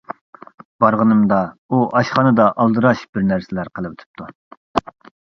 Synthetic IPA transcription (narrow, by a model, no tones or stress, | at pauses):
b̥ɑɾʁənɨmd̪ɑuʔɑʃχɑnɨd̪ɑʔɑlˠd̪ɨɾɑʃb̥ɪɾnæɾsɪlæɾqʰəlˠɨwet̪ʰɪ̥p̚t̪ʰu